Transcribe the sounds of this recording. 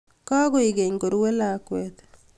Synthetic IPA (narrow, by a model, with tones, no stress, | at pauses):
kɔ˦ɡo˦i˨ɡe˨ŋɡo˨ɾwe˦la˨kwɛt̪